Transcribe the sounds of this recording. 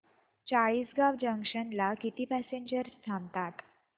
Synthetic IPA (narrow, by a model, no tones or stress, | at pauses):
t͡ɕaɭiːsɡaʋd͡ʑəŋkʂənlakit̪iːpæseɲd͡ʑəɾst̪ʰãmt̪at̪